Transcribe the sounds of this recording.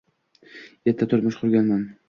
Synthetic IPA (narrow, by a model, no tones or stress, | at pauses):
jet̪ʰːat̪ʰʊɾmʊʃqʰʊɾɡʲanman